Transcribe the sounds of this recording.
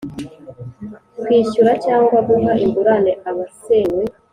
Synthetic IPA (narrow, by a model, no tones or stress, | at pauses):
kwiːʃuɾacaːŋɡwaβuɦaʔimɡuɾaneaβaseːɲwe